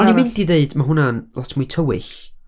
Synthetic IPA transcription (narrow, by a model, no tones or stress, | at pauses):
ɔnimɪndiðeɨdmaɦʊnanlɔtʰmujtʰəwɪ̰ɬ